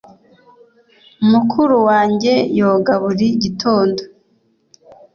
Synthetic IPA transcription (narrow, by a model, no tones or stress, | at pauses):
umukʰuɾuwaːɲɟe̞jo̞ːɡaβuɾiɟitʰo̞ːndo